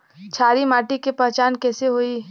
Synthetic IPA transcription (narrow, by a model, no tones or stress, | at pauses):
t͡ʃʰaːɾimaːʈikepɛɦt͡ʃaːnkɛːseɦoiː